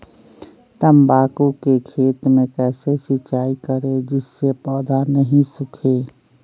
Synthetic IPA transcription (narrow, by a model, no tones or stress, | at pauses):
t̪əmbaːkukekʰeːt̪mẽkɛːsesɪt͡ʃaːikəɾed͡ʒɪsːepɔːd̪anəɦĩsʊkʰeː